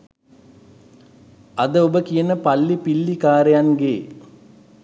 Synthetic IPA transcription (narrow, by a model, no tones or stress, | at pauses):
ɐd̪əobəkijənəpɐlːipilːikaːɾejanɡeː